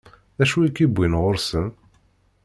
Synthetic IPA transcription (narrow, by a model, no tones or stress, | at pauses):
æʃuikːibʷːinʁoɾsəm